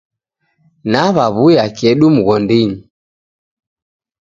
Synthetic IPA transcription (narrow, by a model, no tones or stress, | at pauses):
naβaβujakɛɗumuɣɔndiɲi